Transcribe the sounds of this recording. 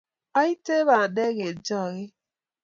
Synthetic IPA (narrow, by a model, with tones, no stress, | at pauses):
ɔ˦i˦te˦βa˨de˦ɣe˨d͡ʒɔ˦˨ɣɪ˦